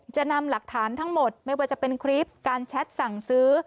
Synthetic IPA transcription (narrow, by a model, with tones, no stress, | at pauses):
t͡ɕa˨˩na˧mla˨˩k̚t̪ʰaː˩˦nt̪ʰa˦˥ŋmo˨˩t̪̚ma˥˩jwaː˥˩t͡ɕa˨˩pe˧nkʰɾiː˦˥p̚kaː˧nt͡ɕʰɛ˦˥t̪̚sa˨˩ŋsɯː˦˥